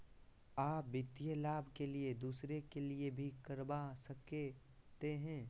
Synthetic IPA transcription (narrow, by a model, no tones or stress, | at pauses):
aːp̚ʋɪt̪ijəlaːbʱkelied̪uːsɾekeliebʱikɐɾbasɐke | t̪eɦɛ̃ː